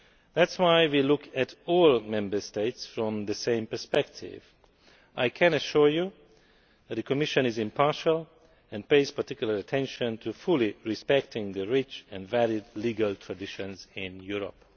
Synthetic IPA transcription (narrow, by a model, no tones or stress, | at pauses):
ðætswajwilʊkʰɛtʰɔːlˠmɛ̃mbə˞steɪtsfɹɔ̃mðəsẽɪ̃mpə˞spɛk̚tʰɪ̰v | ʔajkʰɛ̃nəʃuɹju | ðɛt̪̚d̪əkʰɔmɪʃə̃nɪzɪ̃mpʰɑɹʃəl | ɛ̃npeɪz̥paɹtɪkjuləɹətʰɛ̃nʃə̃ntʰufuliɹispɛk̚tʰɪ̃ŋðəɹɪt͡ʃɛ̃nvælɪdliɡəlˠt̪ʰɹ̥adɪʃɔ̃nzɪ̃njuɹɔ̰p